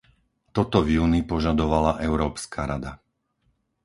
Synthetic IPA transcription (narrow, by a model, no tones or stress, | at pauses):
t̪ɔt̪ɔvjuːnipɔʒad̪ɔʋalaʔɛʊɾɔːpskaɾad̪a